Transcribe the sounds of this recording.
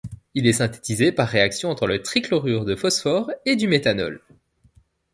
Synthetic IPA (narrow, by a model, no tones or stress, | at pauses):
ilɛsɛ̃t̪e̥t̪izepaʁːeaksjɔ̃ɑ̃t̪χələt̪χiklɔʁyʁd̪əfɔsfɔʁed̪ymet̪anɔ̰l